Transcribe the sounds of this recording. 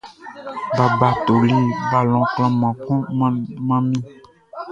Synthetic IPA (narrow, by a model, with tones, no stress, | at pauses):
ba˨ba˨t̪o˨li˦ba˦lɔ̃˨kl̃ã˦mã˨kɔ̃˦mã˦mĩ˦